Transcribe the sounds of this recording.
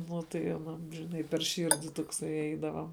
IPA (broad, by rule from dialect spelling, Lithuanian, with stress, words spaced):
ˈnʊ tɐɪ ɐˈnɐm ʒʲɪˈnɐɪ pʲɛr ˈʃʲɪrʲdʲɪ toːkˈsɐɪ ˈɛɪdɐʋɐ